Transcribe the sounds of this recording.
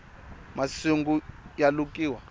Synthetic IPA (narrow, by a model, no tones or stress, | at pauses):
masuŋɡujalukʼiːwa